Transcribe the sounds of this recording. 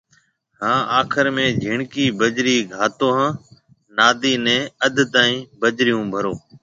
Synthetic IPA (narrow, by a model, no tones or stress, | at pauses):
ɦãːʔaːkʰəɾmẽːd͡ʒʱɪɳkiːbəd͡ʒɾiːɡʱaːt̪oːɦãː | naːd̪iːnɛ̃ːəd̪ʱt̪aːĩːbəd͡ʒɾɪjũːbʱəɾoː